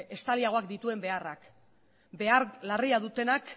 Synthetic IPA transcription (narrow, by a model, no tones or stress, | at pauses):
e̞st̪aliaɣ̞o̞akd̪it̪ue̞mbe̞arak | be̞aɾlariaðut̪e̞nak